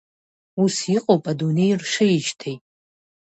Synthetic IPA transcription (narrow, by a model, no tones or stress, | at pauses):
usiqʼopʼadunejrʂɐjɪʒtʰejʼ